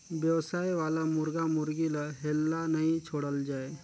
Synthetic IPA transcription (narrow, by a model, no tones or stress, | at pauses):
bjəwsaːjʋaːlamʊɾɡamʊɾɡilaɦelːanəĩt͡ʃʰoːɽəld͡ʒaːe